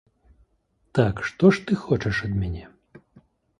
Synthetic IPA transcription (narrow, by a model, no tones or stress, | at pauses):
t̪akʂt̪ɔʂt̪ɨxɔt͡ʂɛʂɐd̪mʲanʲɛ